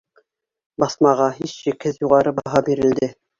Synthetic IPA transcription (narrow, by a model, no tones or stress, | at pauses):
bɑθmɑʁɑɦiʃːikhɘðjuʁɑɾɤbɑɦɑbiɾɘ̆ld̪ɘ